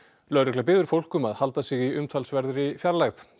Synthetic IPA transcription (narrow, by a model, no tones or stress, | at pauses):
lœɥɾɪklap̬ɪːðʏɾfowl̥kʏmaðhalt̪asɪɣiʏmt̪ʰalsvɛɾðɾifjaɾlaɣð